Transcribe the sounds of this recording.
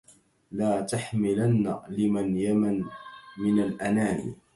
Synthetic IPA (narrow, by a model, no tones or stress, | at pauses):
laːt̪aħmɪlanːa̰lɪmanjamanmɪnalʔanaːm